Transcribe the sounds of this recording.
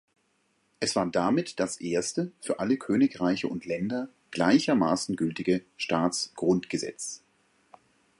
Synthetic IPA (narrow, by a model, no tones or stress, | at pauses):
ʔɛsv̥aːɐdamɪtd̥asʔeːɐstəfyːɐʔaləkʰøːnɪkʁaɪçəʊntlɛndɐ | ɡ̥laɪçɐmaːsn̩ɡʏltɪɡəʃtaːt͡sɡ̥ʁʊntɡ̥əzɛ̰t͡s